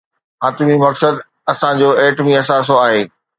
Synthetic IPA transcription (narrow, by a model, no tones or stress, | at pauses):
ɦaːt̪mimɐksəd̪ | ɐsãd͡ʑoːeːʈmĩɐs̬aːs̬oaːɦeː